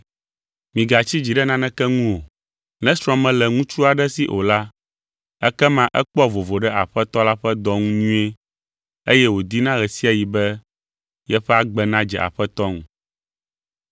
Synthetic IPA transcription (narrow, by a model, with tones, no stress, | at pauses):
mĩ˨ɡa˨t͡ɕi˦d͡ʑi˨ɖɛ˦nã˦nɛ̃˦kɛ˦ŋũ˦wo˨ | nɛ̃˦sɾɔ̃˨mɛ̃˦lɛ˨ŋũ˦t͡ʃu˦a˨ɖɛ˦si˦ʔo˨la˦ | ɛ˦kɛ˦mã˦ʔɛ˦k͡pɔ˦vo˨vo˨ɖɛ˦ʔa˨ɸɛ˦t̪ɔ˦la˦ɸɛ˦d̪ɔ˦ŋũ˦ɲũ˦e˦ | e˦jɛ˦wo˨d̪i˦nã˦ɣɛ˨si˦a˨ji˨bɛ˦ | jɛ˦ɸɛ˦a˦ɡ͡bɛ˦nã˦d͡ʒɛ̰˨ʔa̰˨ɸɛ˦t̪ɔ˦ŋũ˨